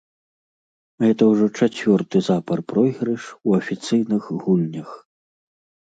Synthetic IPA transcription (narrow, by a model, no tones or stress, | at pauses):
ɣɛt̪ɐwʐɔt͡ʂat͡sʲvʲɔrt̪ɨzapɐrpɾɔjɣɾɛʂuɐfʲit̪sɨjnɨxɣulʲnʲɐx